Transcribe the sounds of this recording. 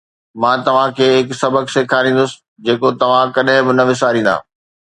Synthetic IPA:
mãːt̪ɐʋ̤ãkʰeːɦɪksɐbʱəkseːkʰaːɾĩːn̆d̪ʊsɪ̥̆ | d͡ʑeːkot̪ɐʋ̤ãkɐɗɦɪ̃bɪnɐʋɪs̬aːɾĩːn̆d̪a̰ː

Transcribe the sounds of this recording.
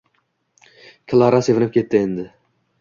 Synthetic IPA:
kʲʰɪlˠaɾase̞vɪnɪp̚kʲʰe̞t̪ːɪe̞nd̪ɪ

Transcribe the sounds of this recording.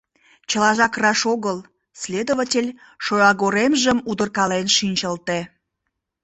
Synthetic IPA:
t͡ɕəlɑʒɑkrɑʃoɣəl | sʲlʲed̪ovətʲelʲ | ʃojɑɣoɾemʒəmud̪ərkɑlenʃinʲt͡ɕəlt̪e̽

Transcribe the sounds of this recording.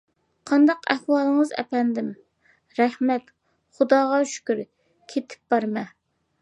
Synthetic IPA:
qʰɑnd̪ɑqɛhwɑlˠəŋɨzɛ̰pɛnd̪ɪm | ɾɛhmɛt̪ | χʊd̪ɑːʁɑʃy̥kʲyɾ | kʲʰet̪ʰɪ̥p̚b̥ɑɾmɛ

